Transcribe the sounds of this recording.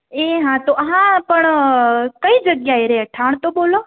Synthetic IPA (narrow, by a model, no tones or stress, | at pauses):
eɦãt̪oɦãpəɳkəid͡ʒəɡjaiɾəɦaʈʰaːɳ̃t̪oboːlo